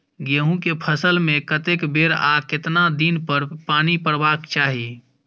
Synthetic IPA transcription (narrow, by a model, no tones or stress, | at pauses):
ɡeɦũkepʰəsəlmẽkət̪ekbeːɾa̰ːkɪt̪nad̪iːnpəɾpaːnipəɾbaːkt͡ʃaːɦi